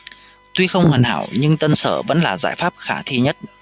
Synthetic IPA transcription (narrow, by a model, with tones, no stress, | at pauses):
t̪wi˧xə˧wŋ͡mhə˨˩nha̰ː˧˩˨wɲɨ˧ŋt̪ə˧nsəː˧˩və̰˧˥nlaː˨˩zaː˧˩jfaː˦˥p̚xaː˧˩t̪ʰi˧ɲə˦˥t̚